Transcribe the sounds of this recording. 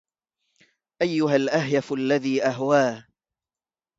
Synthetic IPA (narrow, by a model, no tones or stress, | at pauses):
ʔajːʊɦalʔaɦjafʔalːaðiːʔaɦwaː